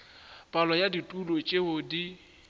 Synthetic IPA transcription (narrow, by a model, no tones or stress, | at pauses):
pʼalɔjaditʼulot͡ʃʼeʊdi